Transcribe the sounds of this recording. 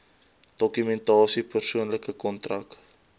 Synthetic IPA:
d̥ɔkymɛntɑːsipərsuənləkəkɔntrɐ̰k

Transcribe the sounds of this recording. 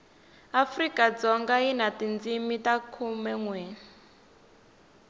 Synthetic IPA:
afrikad͡zɔŋɡainatind͡zimitakʰumɛŋwɛ

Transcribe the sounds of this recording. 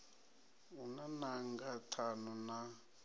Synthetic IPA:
unanaŋɡatʰanuna

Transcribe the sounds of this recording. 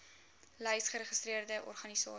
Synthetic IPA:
ləjsχəɾəχəstɾiərdəʔɔ̰rχɐnisɑː

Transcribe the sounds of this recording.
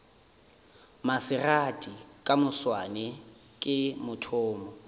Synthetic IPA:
masɪratʼikʼamʊswanɛ | kʼɪmʊtʰʊːmɔ

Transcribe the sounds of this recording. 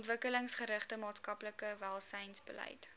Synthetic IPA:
ntvəkələŋsχəɾəχtəmɑːtskɐpləkəvælˠsɛjnsbəlɛ̰jt

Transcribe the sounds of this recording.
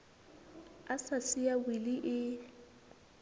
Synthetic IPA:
asasiawiliʔɪ

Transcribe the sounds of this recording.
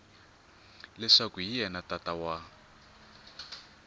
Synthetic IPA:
lɛʂakuɦijɛnatatawa

